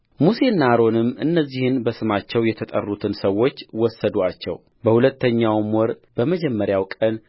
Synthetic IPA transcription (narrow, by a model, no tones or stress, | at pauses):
musenːaɾo̞nɨmːɨnːəzːihɨnbəsɨmat͡ʃːɛwjɛt̪ʰət̪ʼə̰rːut̪ʰɨnsəwo̞t͡ʃːwɔsːəd̪uat͡ʃːɛ̰w | bəhulət̪ːəɲːawmwɔɾbəməd͡ʒɛmːəɾjawkʼən